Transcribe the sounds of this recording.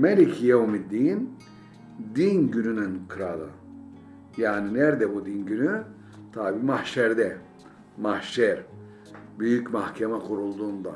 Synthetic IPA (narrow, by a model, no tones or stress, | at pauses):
melʲicʰijaumid̪ːiːn | d̪inɟynynynkʰɯɾalˠɯ̰ | jaːninɛɾd̪ɛbud̪inɟyny | t̪ʰabiːmahʃɛɾd̪ɛ | mahʃɛɾ | byjycmahcʰemɛkʰuɾulˠd̪uːnd̪a